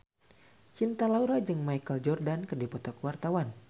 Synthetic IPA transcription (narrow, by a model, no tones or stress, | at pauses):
t͡ʃint̪alauɾad͡ʒɨŋmajkəld͡ʒɔrdankɨrdipɔt̪ɔkwart̪awan